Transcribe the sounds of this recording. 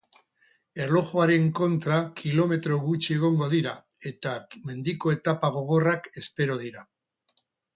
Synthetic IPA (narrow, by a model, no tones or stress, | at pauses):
e̞ɾlo̞xoaɾe̞ŋko̞nt̪ɾakilo̞me̞t̪ɾo̞ɣut͡ʃie̞ɣ̞o̞ŋɡo̞ðiɾa | e̞t̪ame̞nd̪iko̞e̞t̪apaɣ̞o̞ɣ̞o̞rake̞spe̞ɾo̞ð̞iɾa